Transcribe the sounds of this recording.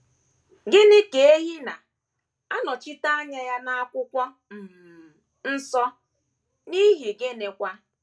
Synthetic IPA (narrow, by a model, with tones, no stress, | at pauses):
ɡɪ˦nɪ˦ke˨e˦ɦi˦na˨ | a˦nɔ˨t͡ʃi˦ta˦a˦ɲa˦ja˦na˦a˦kʷʊ˦kʷɔ˦ | m̩˨m˨ | n̩˦sɔ˦ | ni˦ɦi˨ɡe˦ne˨kʷa˦